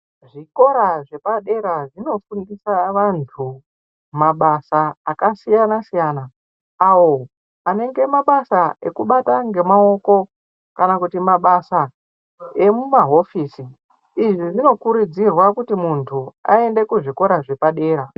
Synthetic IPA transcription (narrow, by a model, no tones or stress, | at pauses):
ʐiko̞ɾaʐe̞paɗe̞ɾaʐino̞fundisaʋantʰu | maɓasaːkasijanasijana | awo̞ | ane̞ŋɡe̞maɓasae̞kuɓataŋɡe̞mao̞ko̞ | kanakutimaɓasa | e̞mumaɦo̞fiːsi | iʐiʐino̞kuɾud͡zirwakutimuntʰua̰e̞nde̞kuʐiko̞ɾaʐe̞paɗe̞ːɾa